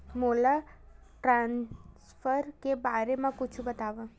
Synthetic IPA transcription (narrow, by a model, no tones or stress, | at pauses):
mola | ʈɾãnsfəɾkebaɾemãkʊt͡ʃʰũbət̪aʋã